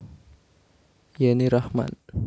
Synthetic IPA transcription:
janiɾahma̰n

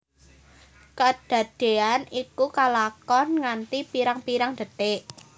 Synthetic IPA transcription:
kad̥ä̤d̪̥e̤anikukalakɔnŋant̪ipiɾaŋpiɾaŋd̪̥ə̤t̪ɪʔ

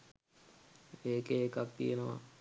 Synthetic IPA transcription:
eːkeːkak̚t̪ijenəʋa̰

